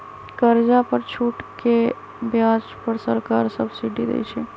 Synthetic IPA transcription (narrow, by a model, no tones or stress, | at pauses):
kəɾd͡ʒapəɾt͡ʃʰuʈke | bjad͡ʒpəɾsəɾkaɾsəbsiɖid̪ɛ̰jt͡ʃʰɛ